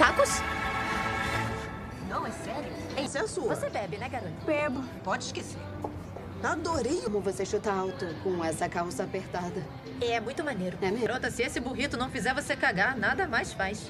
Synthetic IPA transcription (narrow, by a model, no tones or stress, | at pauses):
kakʊs | nɐ̃w̃ɛfɛɾiʊ | ɛ̃sẽsuvosebɛbɪnɛkaɾot̪ɐbɛbʊ | pɔd͡ʒɪʃkesḛɾ | ad̪oɾejkmõvoseʃut̪aawt̪ʊkõɛsɐkawsɐapeɾt̪ad̪ɐ | ɛɛmũj̃t̪ʊmaneɾʊɛmeɾot̪ɐsɪesɪbuɦit̪ʊnɐ̃w̃fizɛɾvosekaɡaɾnad̪ɐmajsfajʃ